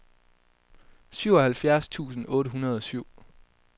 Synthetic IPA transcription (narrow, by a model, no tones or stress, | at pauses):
syʊ̰ɒ̽hælfjæɐst͡sʰṵːsn̩ɔ̽ːɾəɦunɐð̞ˠɒ̽syʊ̰